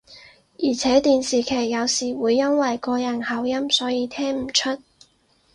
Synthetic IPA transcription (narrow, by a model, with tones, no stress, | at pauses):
jiː˨˩t͡sʰɛː˨˥t̪iː˨nsiː˨kʰeː˨˩jjɐ˨˧wsiː˨˩wuː˨˧jːɐ˥nwɐ˨jkɔː˧jɐ˨˩nhɐ˨˥wjɐ˥msɔː˨˥jiː˨˧t̪ʰɛː˥ŋm̩˨˩t͡ʃʰɵ˥t̚